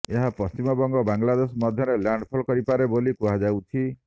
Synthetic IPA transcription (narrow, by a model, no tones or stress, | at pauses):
eɦapɔst͡ʃimɔbɔŋɡɔbaŋlad̪esɔmɔd̪ʱjɔɾelaɳɖpʰɔlkɔɾipaɾebolikuad͡ʒawt̪ʰi